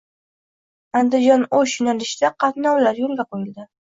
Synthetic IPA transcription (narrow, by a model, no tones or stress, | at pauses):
and̪ɪd͡ʒɒnojʊnalɪʃd̪aqʰɑt̪nɒwlaɾjolˠɡʲaqʰojɪld̪ɪ